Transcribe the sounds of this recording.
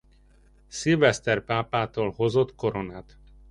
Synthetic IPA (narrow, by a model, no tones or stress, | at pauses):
silvɛst̪ɛrpaːpaːt̪oːlho̞zo̞t̪ko̞ɾo̞naːt̪